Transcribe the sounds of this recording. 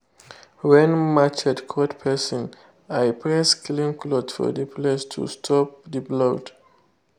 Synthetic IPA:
wɛ̃nmat͡ʃɛdkʰɔtpʰɛsɔ̃n | ajpʰɹɛsklĩmklɔdfɔ̰dəpʰlestʰṵstʰɔp̚diblod

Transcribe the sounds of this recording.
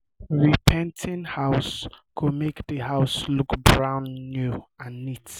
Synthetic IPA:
ɹipʰɛ̃ntʰĩnhaʊsɡ̥ʰomekðəɦaʊslukbɹãʊ̃nːjuãnːit

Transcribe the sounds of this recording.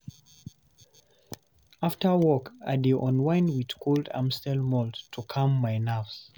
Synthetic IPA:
aftəwɔka̰deʔɔ̃nwãɪ̃nwið̥kʰɔldã̰mstɛlmɔltʰːukʰãmːaɪnafs

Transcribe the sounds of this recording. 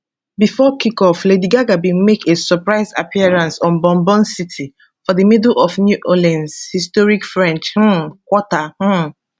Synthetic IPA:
bifɔkikɔflediɡaɡabĩnmekʰesɔpɹaɪzapʰiɛɹãnsɔ̃nbɔ̃mbɔ̃nsitʰi | fɔðəmidl̩ɔfnjuʔolãnzhistɔɹikfɹɛ̃nt͡ʃh̩kwɔtah̩

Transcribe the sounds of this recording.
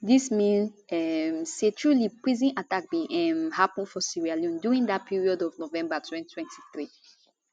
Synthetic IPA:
dismĩnɛmsetʰɹulipɹizĩnatak̚bĩʔɛmhapə̃nfɔsiɹialjũnduɹĩŋdat̚pʰiɹiɔdɔvnovɛ̃mbatʰwɛ̃ntʰwɛ̃ntʰiθɹi

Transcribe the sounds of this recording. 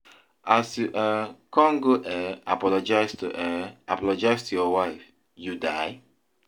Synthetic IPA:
asjuʔakɔ̃ŋɡoʔɛapɔlɔd͡ʒajstuʔɛapɔlɔd͡ʒajstujɔwaɪf | judaj

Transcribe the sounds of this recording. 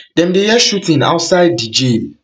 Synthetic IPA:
d̥ɛ̃mdejɛʃutʰĩŋa̰ʊtsaɪdːid͡ʒi

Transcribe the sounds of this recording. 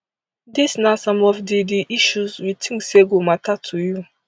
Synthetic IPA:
disnasɔ̃mɔfdidiʔiʃuzwitʰĩŋkseɡomatʰatʰuju

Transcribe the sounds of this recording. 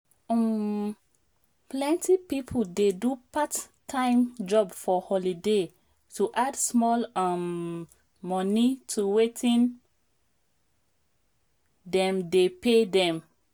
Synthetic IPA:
plɛ̃ntʰipipʰodedupatʰː | ãɪ̃md͡ʒɔbfɔhɔlide | tuʔadsmɔlamː | ɔnitʰuwetʰĩn | dɛ̃mdepedɛ̃m

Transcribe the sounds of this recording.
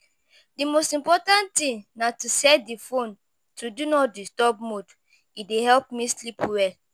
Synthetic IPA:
dimostĩmpɔtãntĩnnatusɛdifõn | tʰudunɔdistɔbmod | idehɛlpmislipwɛ

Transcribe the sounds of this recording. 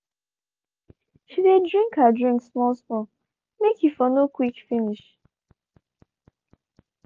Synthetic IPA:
ʃidedɹĩŋkadɹĩŋksmɔlsmɔ | mekʰjifɔnokwikfiniʃ

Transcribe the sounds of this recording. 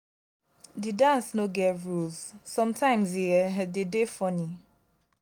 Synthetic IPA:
didãnsnoɡɛɹuz̥sɔ̃mtʰãɪ̃mziɛdedefɔni

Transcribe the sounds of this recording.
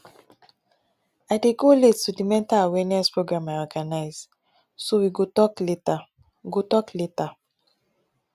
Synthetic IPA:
aɪdeɡolettudimɛ̃ntaawɛniɛspɹoɡɹãmajɔɡanaɪz | sowiɡotɔkleta | ɡotɔkleta

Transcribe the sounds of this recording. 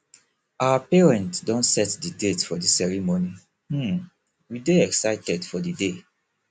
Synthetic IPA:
awapɛɹɛ̃ntdɔ̃ntsɛtdidetfɔdisɛɹimoni | h̩ | wideɛksaɪtɛdfɔdide

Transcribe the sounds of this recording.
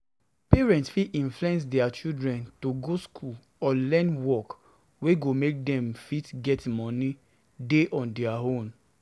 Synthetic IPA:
pɛɹɛ̃ntsfiʔĩnflɛ̃ns̬dɛat͡ʃildɹɛ̃ntoɡoskʰul | ɔlɛ̃nwɔk | weɡomek̚dɛ̃mfitɡɛtmɔ̃ni | deʔɔ̃ndɛaɦõm

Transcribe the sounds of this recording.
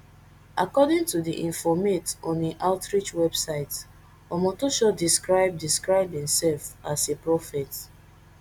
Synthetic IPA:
akɔdĩŋtudiʔĩnfɔmetɔ̃niʔaʊtɹit͡ʃwɛbsaɪt | ɔmɔtoʃɔdiskɹaɪb̚diskɹaɪb̚hĩmsɛlfasepɹɔfɛt

